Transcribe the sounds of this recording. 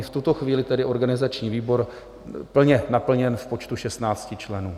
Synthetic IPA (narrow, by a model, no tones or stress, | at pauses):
ft̪ut̪oxviːlɪt̪ɛdɪʔo̞ɾɡanɪzat͡ʃɲiːviːbo̞ɾ | pl̩ɲɛnapl̩ɲɛnfpo̞t͡ʃt̪uʃɛst̪naːt͡scɪt͡ʃlɛnuː